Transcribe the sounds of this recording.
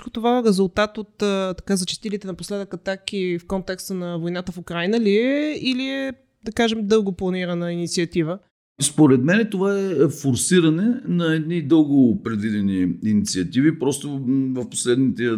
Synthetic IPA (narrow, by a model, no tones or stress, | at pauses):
kot̪ovaɛɾɛzulˠt̪at̪ot̪ːt̪ɐ̥kazɐt͡ʃɛ̥st̪ilit̪ɛnɐposlɛd̪əkɐt̪akifkɔnt̪ɛkst̪ənɐvojnat̪əfʊkɾajnəliɛiliɛ | d̪ɐkaʒɛmd̪ɤlˠɡoplˠɐniɾɐnəinit̪siɐt̪ivə | spoɾɛt̪mɛnɛt̪ovaɛfoɾsiɾɐnɛnɐɛd̪nid̪ɤlˠɡopɾɛd̪vid̪ɛniinit̪siɐt̪ivipɾɔst̪ovɐfpo̥slɛd̪nit̪ɛ